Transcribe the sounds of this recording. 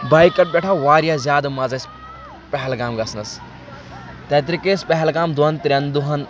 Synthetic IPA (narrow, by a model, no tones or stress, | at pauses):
bɐjkɐʈ̚bʲeʈʰaʋaːɾijaːzʲjaːd̪mɐzɐs | pɛɦɛlɡaːmɡɐsnɐs | t̪ɐt̪ɾikeːspɛɦɛlɡaːmd̪uɦɐnt̪ɾʲɐnd̪uɦɐn